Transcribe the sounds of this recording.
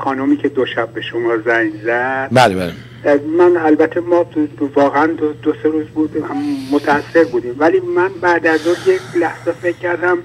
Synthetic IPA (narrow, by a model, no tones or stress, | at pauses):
xɒːnumiːcʰe̞d̪oʃæbːe̞ʃomɒːzæŋzæd̪̥bælebæle | mænælbæt̪ʰːemɒːvɒːɣeænd̪od̪oseɾuːzbuːd̪mmot̪ʰæːsːe̞ɾbuːd̪iːmvæliːmænbæd̪æzuːnjecʰlæhz̥efe̞cʰːæɾd̪æm